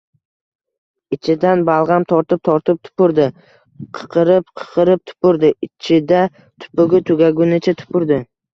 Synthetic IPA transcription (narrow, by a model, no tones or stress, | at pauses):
ɪt͡ʃʰɪd̪anbalˠʁɑmt̪ʰɒɾt̪ɪp̚t̪ʰɒɾt̪ɪp̚t̪ʰʊ̥pʊɾd̪ɪ | qʰə̥qʰɨɾɪpqʰə̥qʰɨɾɪp̚t̪ʰʊ̥pʊɾd̪ɪɪt͡ʃʰɪd̪a | t̪ʰʊ̥pʊɡʲɪt̪ʰʊɡʲaɡʲʊnɪt͡ʃʰat̪ʰʊ̥pʊɾd̪ɪ